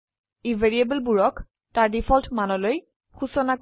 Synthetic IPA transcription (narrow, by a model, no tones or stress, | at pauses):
ivʱeɹiebəlbuɹɔk | taɹdipʰɔltʰmanɔloj | xusɔnak